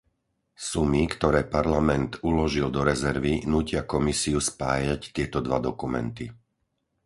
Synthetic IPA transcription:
sumikt̪ɔɾɛːpaɾlamɛnt̪ulɔʒild̪ɔɾɛzɛɾʋinuːcɪakɔmisiuspaːjact̪ɪɛt̪ɔd̪ʋad̪ɔkumɛ̰nt̪i

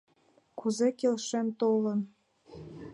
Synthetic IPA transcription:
kuzekelʃemt̪olə̆n

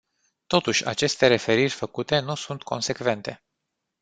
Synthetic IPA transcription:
t̪o̞t̪uʃʲa̰t͡ʃe̞st̪e̞ɾe̞fe̞ɾirʲfəkut̪e̞nusunt̪kʰo̞̰nse̞kve̞nt̪e̞

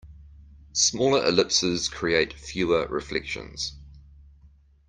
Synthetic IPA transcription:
smɔːləɹʔɪ̰lɪpsɪz̥kʰɹ̥ieɪtfjʉːəɹɪ̰flɛ̰kʃə̰̃nz̥

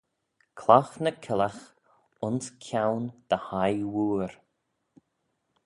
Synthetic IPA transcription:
kʰlɔxnəkʰɪlax | ʊnskʲʰawnd̪̥əhajwuːɾ

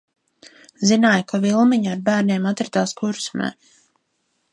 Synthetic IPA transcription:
zinaːjkavilˠmiɲaːɾbæːɾneːmat̪ɾɨt̪aːskuɾsmɛ̰ː

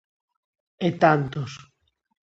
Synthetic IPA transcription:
et̪ant̪os

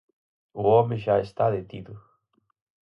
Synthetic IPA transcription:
ʊomɪʒaest̪aðet̪iðʊ

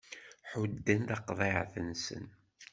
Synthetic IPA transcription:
ħud̪ːənðɑqðˤiʕθənsə̰n

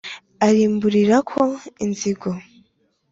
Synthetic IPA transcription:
aɾiːmbuɾiɾakʰo̞inziɡo̞

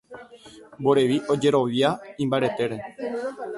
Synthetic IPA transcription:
mboɾe̞ʋiʔo̞d͡ʒe̞ɾo̞ʋjaĩmbaɾe̞t̪e̞ɾe̞

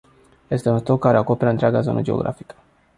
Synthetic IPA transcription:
je̞st̪eunst̪o̞kːaɾeako̞pe̞ɾəɨnt̪ɾeaɡazo̞̰nə̰d͡ʒeo̞̰ɡɾʔa̰fikə̥

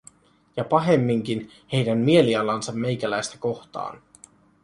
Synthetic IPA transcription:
jɑpɑɦe̞mːiŋk̟in | he̞jdænmie̞liɑlɑnsɑmːe̞jkælæjst̪æko̞xt̪ɑ̰ːn

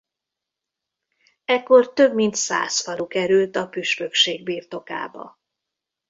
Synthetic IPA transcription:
ɛkːo̞rt̪ø̞bmint̪sa̰ːsfɒlokɛɾylt̪ɒpyʃpø̞kʃeːɡbiːrt̪o̞ka̰ːbɒ̰

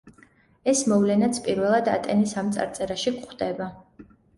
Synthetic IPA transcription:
ɛsmɔvlɛnat̪sʰpʼiɾvɛlˠad̪a̰t̪ʼɛnisamt̪sʼa̰ɾt̪sʼɛɾaʃikχd̪ɛba

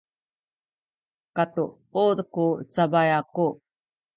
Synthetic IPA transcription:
kat̪u | ud̪kut͡sabajaku

